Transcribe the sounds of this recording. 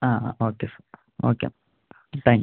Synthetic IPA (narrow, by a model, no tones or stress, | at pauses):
aːoːkesa | oːkḛ | ʈ̪ãŋ